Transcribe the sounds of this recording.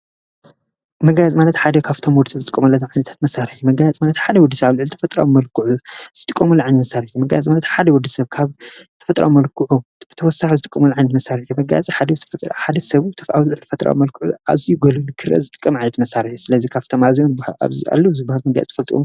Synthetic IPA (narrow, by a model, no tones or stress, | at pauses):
mɐɡajat͡sʼmalɐt̪ħad̪ɐkʰaβt̪ʰomwɔd̪ːisɐzɨt̪ʼɨkʼːɐmɐlːɐʕajnɐt̪ʰḁt̪mɐsaɾɨħjumɐɡajat͡sʼmalɐt̪ħad̪ɐwɔd̪ːisɐβaβlʕɨlt̪ʰɐfɐt̪ʼɾa̰wumɐlkʰuʕuz̥ɨt̪ʼɨkʼːɐmulʕajnɐt̪mɐsaɾħjumɐɡa̰jat͡sʼmalɐt̪ħad̪ɐwɔd̪ːisɐβkʰaβt̪ʰɐ̥fɐt̪ʼɾa̰wumɐlkʰuʕub̥ɨt̪ʰɐwɔsaħizɨt̪ʼɨkʼːɐmulʕajnɐt̪mɐsaɾħjumɐɡa̰jat͡sʼiħad̪ɐzɨt̪ʰfɐt̪ɾħad̪ɐsɐβuɨt̪ʰɐfawlɨʕlt̪ʰɐfɐt̪ʼɾa̰wumɐlkʰuʕua̰zijuɡɐlunkʰɨɾɐ̰zɨt̪ʼɨ̥kʼːɐmʕajnɐt̪mɐsaɾɨħjusɨlɐzikʰaβt̪ʰomazionbhala̰βzia̰lːɐwzɨbahalmɐɡaja̰t͡sʼfɐlt̪ʼiʔo̰m